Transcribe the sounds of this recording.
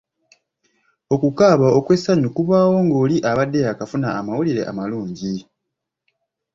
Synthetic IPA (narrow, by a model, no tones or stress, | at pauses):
o̞kukaːβaokwe̞sːaɲukuβaːwo̞ŋɡo̞ːliʔaβadːe̞jakafunaːmawuliɾe̞̰ʔa̰maluːɲɟi